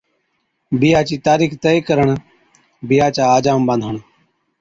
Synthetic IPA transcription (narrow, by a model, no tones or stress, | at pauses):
bɪjaːt͡ʃiːt̪aːɾiːkt̪eiːkəɾəɳ | bɪjaːt͡ʃaːaːd͡ʒaːmbə̃nd̪ʱəɳ